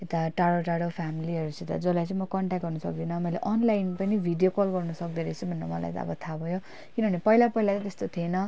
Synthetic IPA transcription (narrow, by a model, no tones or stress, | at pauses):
et̪aʈaɽoʈaɽopʰamiliʌɾut͡sʌ̃et̪ad͡zʌlajt͡sʌ̃ĩmʌkʌɳʈak̚ɡʌrnʌsʌ̰k̚d̪inʌmʌjleʔʌnlajnpʌnibʱiɖijokolɡʌrnʌsʌk̚d̪eɾʌt͡sʰubʱʌnːa̰mʌla̰jḛt̪a̰ʌ̰bʌt̪ʰabʱʌjo | kinʌbʱʌnepʌilapʌilat͡sʌ̃t̪est̪ot̪ʰienʌ